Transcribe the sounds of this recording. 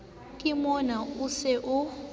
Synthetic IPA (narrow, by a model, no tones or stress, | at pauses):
kʼimɔnausɛʔʊ